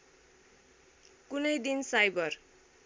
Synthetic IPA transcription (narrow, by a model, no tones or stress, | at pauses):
kunʌjd̪insajbʌr